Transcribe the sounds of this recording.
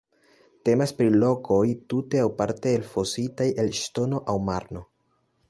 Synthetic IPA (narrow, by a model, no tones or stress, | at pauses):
te̞maspɾilo̞kʰo̞jtute̞awpaɾte̞ːlfo̞sitajʔe̞lʃto̞no̞ʔawmaɾno̞